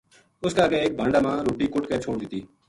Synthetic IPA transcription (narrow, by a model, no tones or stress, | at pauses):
ʊskaːəɡeːeːk̚bʱãːɳɖaːmãːɾoːʈiːkʊʈkeːt͡ʃʰoːɽd̪ɪt̪iː